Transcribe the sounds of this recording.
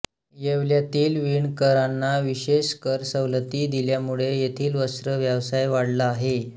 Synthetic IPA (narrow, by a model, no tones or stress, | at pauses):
jeʋljat̪iːlʋiɳkəɾanːaʋiɕeɕkəɾsəʋlət̪iːd̪iljamuɭejet̪ʰiːlʋəsɾəʋjəʋsajʋaɽlaːɦe